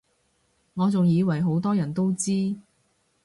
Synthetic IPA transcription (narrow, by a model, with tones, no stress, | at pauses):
ŋɔː˨˧t͡sʊ˨ŋjiː˨˧wɐ˨˩jɦo˨˥wt̪ɔː˥jɐ˨˩nt̪o˥wt͡siː˥